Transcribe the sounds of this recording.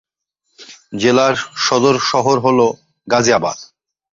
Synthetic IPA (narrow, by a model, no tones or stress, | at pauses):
d͡ʑelaɾʃɔd̪oɾʃɔɦoɾɦolo | ɡad͡ʑiaba̰d̪̚